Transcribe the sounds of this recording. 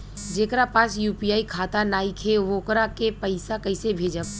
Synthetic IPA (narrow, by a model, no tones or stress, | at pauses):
d͡ʒeːkɾapaːsjuːpijaːikʰaːt̪anaːikʰeʋoːkɾakepəɪsakɐɪsebʱeːd͡ʒəb